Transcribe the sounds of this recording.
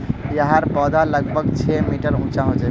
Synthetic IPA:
jəɦaɾbɔd̪ʱaləɡbʱəɡt͡ʃʰɛmiʈəɾũt͡ʃaɦod͡ʒa

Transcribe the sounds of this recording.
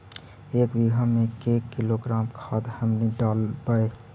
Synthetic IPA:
eːkbiɡʱamẽkeːkːiloɡɾaːmkʰaːd̪həmniɖaːlbaːe

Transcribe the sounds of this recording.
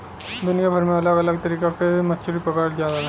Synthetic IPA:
d̪ʊnijabʱəɾmẽɐləɡɐləɡ̚t̪əɾiːkakemɐtːt͡ʃʰuɾipəkaɽzjaːd̪aɦ

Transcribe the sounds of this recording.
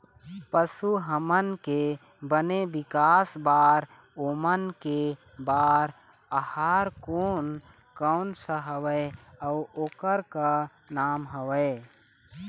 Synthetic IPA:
pəsuɦəmənke | bənebɪkaːsbaːɾ | omənke | baːɾ | əhaːɾkoːn | kəʊnsəɦəwəeəʊoːkəɾka | naːmɦəwəɪ

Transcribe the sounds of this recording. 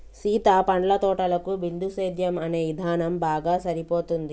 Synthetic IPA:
siːt̪aːpɐɳɖlɐt̪ɔːʈɐlɐkubind̪ʱuseːd̪ʱjɐmɐne̞ːʋid̪ʱaːnɐmbaːɡaːsɐɾipo̞ːt̪und̪i

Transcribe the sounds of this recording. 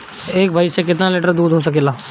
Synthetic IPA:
eːk̚bʱaːɪsekɪt̪naleːʈəɾd̪uːd̪ʱɦos̬ɐkeːlaː

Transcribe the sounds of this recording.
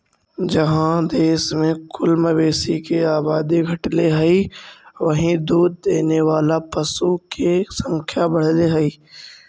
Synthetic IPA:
d͡ʒɐɦãd̪eːsmẽkʊlmɐʋeːsikeaːbaːd̪iɡʱɐʈleɦɛiʋɐɦĩd̪uːd̪̚ːeːneʋaːlapɐsukesɐ̃ŋkʰjabɐɽ̤leɦɛiː

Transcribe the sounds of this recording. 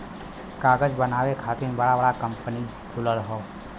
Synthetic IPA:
kaːɡəd͡ʒbənaːʋekʰaːt̪ɪbəɽaʋəɽakəmpəni | kʰʊləɾɦoː

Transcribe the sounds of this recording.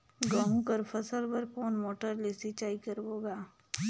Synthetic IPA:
ɡaɦũkəɾfʰɐsəlpəɾkoːnmoːʈəɾlesit͡ʃaːikəɾboːɡaː

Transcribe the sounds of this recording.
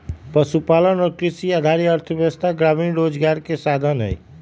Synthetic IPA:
pʌsupalənokɾisiad̪ʱaɾiʌɾt̪ʰəbjʌʌst̪aɡɾaminɾod͡zɡaɾkesad̪ʱənə̰j

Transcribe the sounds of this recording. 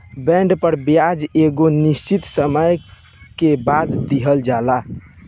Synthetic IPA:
bɛ̃ɳɖpəɾbjad͡ʒeɡonist͡ʃit̪səməj | kebad̪d̪iɦəld͡ʒala

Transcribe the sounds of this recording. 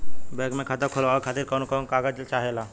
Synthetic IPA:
bɛɡmẽkʰaːt̪akʰoloakʰaːt̪iɾkɔnkɔnkaːɡəd͡ʒlt͡ʃaːɦelaː

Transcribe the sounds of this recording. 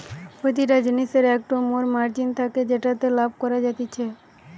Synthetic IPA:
pot̪iʈad͡ʑiniseɾɛk̚ʈomoɾmaɾd͡ʑint̪ʰaked͡ʑeʈat̪elab̚ʱkɔɾad͡ʑat̪et͡ɕʰe

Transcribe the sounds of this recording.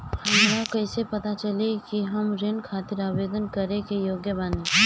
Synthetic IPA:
hɐmɾakɐɪsepɐt̪at͡ʃɐlekiɦɐmɾenkʰaːt̪ɪɾaːʋeːd̪ənkɐɾẽkejoːɡjəbaːnẽ

